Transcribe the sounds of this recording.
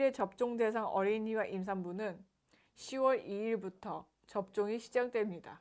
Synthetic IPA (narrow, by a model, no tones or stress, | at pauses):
ɾe̞t͡ɕʌp̚t͡ɕ͈oŋde̞s̬ʰaŋʌɾiɲiwaʔims̬ʰaŋbunɯn | ɕʰiwʌɾiiɭbutʰʌ | t͡ɕʌp̚t͡ɕ͈oŋiɕʰid͡ʑak̚t͈we̞mɲida